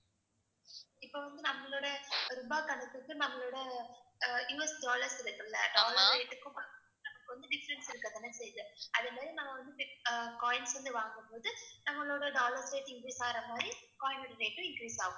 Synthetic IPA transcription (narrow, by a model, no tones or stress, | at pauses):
ɪpːoːʋɐnd̪ɯnɐmːɐɭoːɽɐɾɔmbaːkɐɳɯt̪ːɯkːɯnɐmːɐɭoːɽɐ | juːɛsɖaːlɐɾsɪɾɯkːɐɭːɐ̰ɖaːlɐɾɾeːʈːɯkːʊ̃mpaːɡɯmpoːðɯnɐmɐkːɯʋɐnd̪ɯɖɪfɐɾɛɳsɪɾɯkːɐðɛnːɐsɛjɯðɯɐðeːmaːd̪ɾinɐmːɐʋɐnd̪ɯpɪkaːjɪnsʋɐnd̪ɯʋaːŋɡɯmpoːðɯnɐmːɐɭoːɽɐɖaːlɐɾsɾeːʈ̪ɪŋɡiːsaːɾɐmaːd̪ɾikaːɪnɐɽɐɾeːʈːɯ̃ɪŋkɾiːsa̰ːɣɯ̃